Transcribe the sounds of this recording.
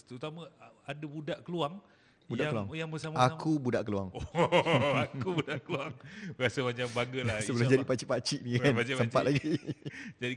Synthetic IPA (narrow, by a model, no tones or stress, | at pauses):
t̪əut̪amã | adabudaʔkəluaŋ | budaʔakəluaŋjaŋbəsamakubudaʔkəlua̰ŋo | akubudaʔkəluaŋbəɾasəmat͡ʃambaɡəlahsəbəlad͡ʒadipat͡ʃiʔpat͡ʃiʔnĩkanasəmpat̪ʔlaɡid͡ʒadi